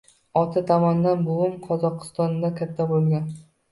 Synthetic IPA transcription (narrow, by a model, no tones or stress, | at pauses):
ɒt̪ʰat̪ʰɒmɒnd̪anbowʊmqʰɒzɒqʰɨ̥st̪ɒnd̪akʲʰat̪ʰːabolˠɡʲan